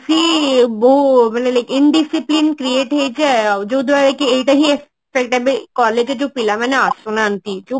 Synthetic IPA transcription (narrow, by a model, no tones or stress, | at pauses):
siboɦumanelajkinɖisiplinkɾieːʈɦejt͡ɕed͡ʒoud̪ʱʋaɾekiejʈaɦie | fek̚ʈabekɔɾled͡ʒed͡ʒopilamaneasonant̪id͡ʒo